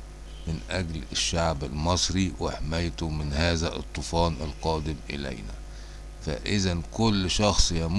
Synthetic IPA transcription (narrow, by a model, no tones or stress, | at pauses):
mɪnʔæɡlɪʃːaʕbɪlmɑsˤɾiwɪħmæjt̪ʊmɪnhæːzæʔɨ̰t̪ˤːʊfɑːnʔɪ̰lqɑːd̪ɪmʔɪ̰læ̰jnæ̰ | fæ̰ʔɪzænkʊlːʃɑxsˤjæm